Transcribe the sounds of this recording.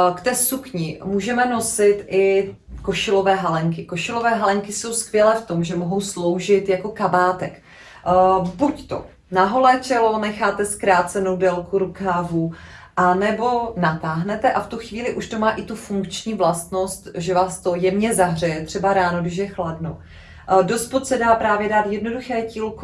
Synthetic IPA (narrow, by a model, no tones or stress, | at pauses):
kt̪ɛːsukɲɪmuːʒɛmɛno̞sɪt̪ʔɪ | koʃɪlo̞vɛːɦalɛŋkɪkoʃɪlo̞vɛːɦalɛŋkɪso̞wskvjɛlɛːft̪o̞mʒɛmo̞ɦo̞wslo̞wʒɪt̪jako̞kabaːt̪ɛk | buct̪o̰ | naɦo̞lɛːt͡ʃɛlonɛxaːt̪ɛskɾaːt͡sɛno̞wdɛlkuɾukavu | ʔanɛbo̞nat̪aːɦnɛt̪ɛʔaft̪uxviːlɪʔuʃt̪omaːʔɪt̪ufuŋkt͡ʃɲiːvlast̪no̞st̪ʒɛvaːst̪o̞jɛmɲɛzaɦrɛjɛt̪r̝̥ɛbaɾaːnoɡdɪʃ̬jɛxladno̰ | do̞st̪pot̪sɛdaːpɾaːvjɛdaːt̪jɛdno̞duxɛːciːlk